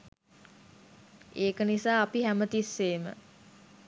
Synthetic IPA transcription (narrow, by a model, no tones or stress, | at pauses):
eːkənisaːɐpiɦæmət̪isːeːmə̰